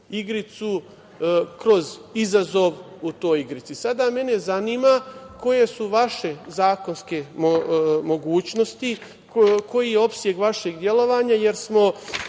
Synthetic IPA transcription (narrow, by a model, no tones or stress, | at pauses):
iɡɾit̪su | kɾo̞zizazo̞ʋ | ut̪o̞ːjiɡɾit̪sisad̪ame̞ne̞zaniːmako̞je̞suʋaʃe̞zaːko̞nske̞omo̞ɡuːt͡ɕno̞st̪i | ko̞jijeo̞psje̞ɡʋaʃe̞ɡd̪je̞lˠo̞ʋaːɲaje̞ɾsmo̞